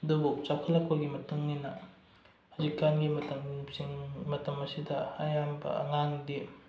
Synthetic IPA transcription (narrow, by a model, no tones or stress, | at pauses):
ɐdubut͡ʃap̚kʰɐlːak̚pɐɡimɐtuŋninɐ | hɐzikːanɡimɐtɐmsiŋmɐtɐmɐsidɐɐjambɐ̰ɐ̰ŋandi